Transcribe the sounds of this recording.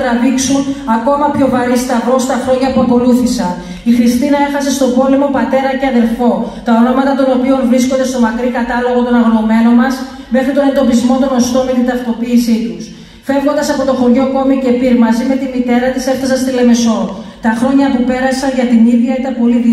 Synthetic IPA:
ɾɐviksunɐko̞mɐpço̞vɐɾist̪ɐɣo̞st̪ɐxɾo̞ɲɐpuɐko̞luθisɐn | ixɾist̪inɐe̞xɐse̞st̪o̞bo̞le̞mo̞pɐt̪e̞ɾɐceɐðe̞lfo̞t̪ɐo̞no̞mɐt̪ɐt̪o̞no̞pio̞nvɾisko̞nd̪est̪o̞mɐkɾikɐt̪ɐlo̞ɣo̞t̪o̞nɐɣono̞me̞no̞nmɐs | me̞xɾit̪one̞nd̪o̞pizmo̞t̪o̞no̞st̪o̞nmet̪int̪ɐft̪o̞piːsit̪us | fe̞vɣo̞nd̪ɐsɐpo̞t̪o̞xo̞ɾʝo̞ko̞mice̞piɾmɐzime̞t̪imit̪e̞ɾɐt̪ise̞fθɐsɐnst̪ile̞me̞so̞t̪ɐxɾo̞ɲɐpupe̞ɾɐsɐnʝɐt̪iniðʝɐit̪ɐpo̞li

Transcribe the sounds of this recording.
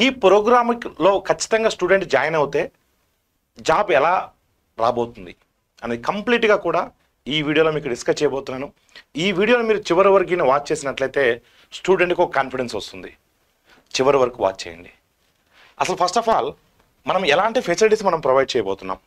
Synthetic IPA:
iːpɾoːɡɾaːmlo̞ːkɐt͡ʃːi̥t̪ɐŋɡaːsʈuːɖe̞ɳʈd͡ʒaːjɐnɐwut̪e̞ː | d͡ʒaːbɛlaː | ɾaːbo̞ːt̪und̪i | ɐnɐikɐmpliːʈɡaːkuːɽaː | iːʋiːɽijoloːmiːkːɖiskɐst͡ʃɛjɐboːt̪unːaːnu | iːʋiːɽijoːnumiːɾut͡ʃiʋɐɾiʋɐɾɡiniʋaːʈ̚t͡ʃe̞ːsinɐʈlɐjt̪e̞ː | sʈuːɖeɳʈkiokkaːnpiɖe̞nsɐst̪und̪i | t͡ʃiʋɐɾiʋɐɾkuʋa̰ːʈ̚t͡ʃɛ̰ːjɐ̰ɳɖi | ɐ̰sɐlupʰɐsʈɐpʰaːl | mɐnɐmɛlaːɳʈipʰesiliʈiːsmɐnɐmpɾɐʋɐjɖ̚t͡ʃɛːjɐbɔːt̪unːa̰ːm

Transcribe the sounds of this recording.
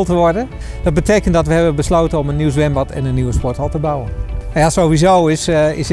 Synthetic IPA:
lˠtəʋɔɹdə | d̥ɔd̚bətejkəntdɔtʋəɦɛbəbəsloːtənɔmənːiws̬ʋɛmbɔtʰɛ̰nənːiʋəspɔtɔlˠtəbawənajasoʋizowɪsɪ̰s

